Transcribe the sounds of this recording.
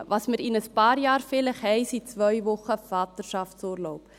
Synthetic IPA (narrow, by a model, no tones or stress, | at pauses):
vɐsmətinəspɑːrjɑːrfiləχɦɛjsit͡svœjvɔχəvɑːtərʃɐftsuːrlowp